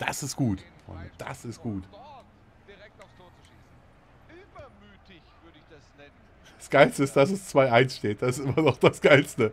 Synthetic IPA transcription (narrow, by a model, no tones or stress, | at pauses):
d̥a̰sɪstɡ̥uːtfʁ̥ɔ̰ɪndə̰d̥a̰sɪst̚ɡ̥uːt | asɡ̥aɪlstəɪstd̥asɛst͡sv̥aɪʔaɪnsʃteːt̚d̥asɪstʔɪmɐnɔχd̥asɡ̥aɪlstə